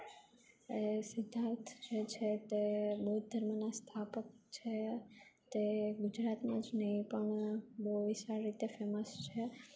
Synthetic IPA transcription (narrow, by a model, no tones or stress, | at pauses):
esɪd̪ʱaɾt̪ʰd͡ʒet͡ʃʰet̪ebəɦud̪ʱəɾmənast̪ʰapək̚t͡ʃʰet̪eɡʊd͡ʒɾat̪mãd͡ʒnəɦĩpəɳbəɦʋiʃaɾːit̪efeməst͡ʃʰe